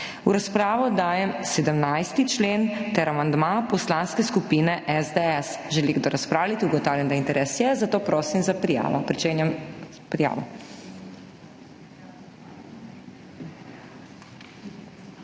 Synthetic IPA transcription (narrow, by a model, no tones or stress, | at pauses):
uɾaspɾaːʋɔd̪aːjɛmsɛd̪əmnajst̪it͡ʃleːnt̪ɛɾamand̪mapɔslanskɛskupiːnɛʔɛzd̪ɛɛsʒɛliɡd̪oɾaspɾaːwlit̪iuɡɔt̪aːwlʲjɛnd̪aint̪ɛɾɛsjɛzat̪oːpɾoːsimzapɾija̰ːʋɔ̰pɾit͡ʃeːnjɛm | pɾija̰ːʋɔ̰